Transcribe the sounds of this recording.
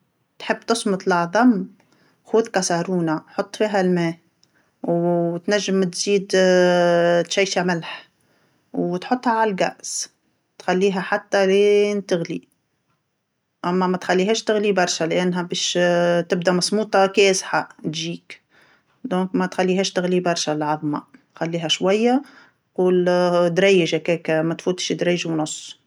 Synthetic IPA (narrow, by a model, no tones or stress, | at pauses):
t̪ħɪbːt̪ʊsmʊt̪ˤlɑʕðˤɑm | xuːðkɑsɑɾuːnaħot̪ˤːfiːɦælmɛː | wt̪næʒːɪmt̪ziːd̪ | t̪ʃæjʃamɪlħ | wt̪ħʊt̪ˤːhɑʕallɡæ̰ʔs | t̪xalːiːɦæħat̪ːælent̪ɪɣlḭ | ʔæmːæmæt̪xælːiːɦɛːʃt̪ɪɣlibɑɾˤʃælʔænːɦæbɛːʃt̪ɪb̚d̪æmɑsˤmuːt̪ˤɑkɛːsħat̪ʒiːk | d̪ɔ̃ːkmæt̪xælːiːɦɛːʃt̪ɪɣlibɑɾˤʃælʕɑðˤmɑ̰t̪xalːiːɦæʃwæjːa | quːld̪ɾæjːəʒhækɛːkmæt̪fuːt̪ʃd̪ɾɑjːʒwnʊsˤː